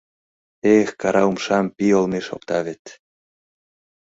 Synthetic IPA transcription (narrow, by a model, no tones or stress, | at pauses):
exkɑɾɑumʃɑmpiolmeʃo̰p̚t̪ɑβet̪